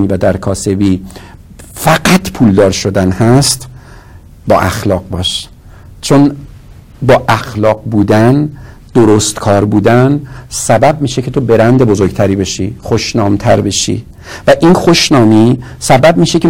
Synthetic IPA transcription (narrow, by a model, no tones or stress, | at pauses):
ivæd̪æɾkʰɒːse̞biː | fæɡæt̪ʰpʰuːld̪ɒːɾʃo̞d̪ænhæst̪ | bɒːʔæxlɒːɢ̚bɒːʃ | t͡ʃʰon | bɒːʔæxlɒːɡ̚buːd̪æn | d̪̥oɾost̪kʰɒːɾbuːd̪ænsæbæb̚miːʃecʰet̪obe̞ɾænd̪ebo̞zoɾɡt̪ʰæɾiːbe̞ʃiːxoʃnɒːmt̪ʰæ̰ɾbe̞ʃḭ | væʔinxoʃnɒːmisæbæb̚miːʃecʰe